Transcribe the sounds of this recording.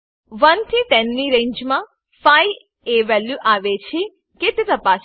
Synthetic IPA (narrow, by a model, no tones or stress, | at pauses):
ʋənt̪ʰit̪ɛnːiɾẽɲd͡ʒmã | faj | eʋɛljuʔaʋet͡ʃʰi | ket̪et̪əpaʃ